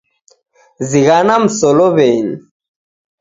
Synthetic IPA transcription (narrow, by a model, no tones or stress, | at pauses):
ziɣanam̩sɔlɔβɛni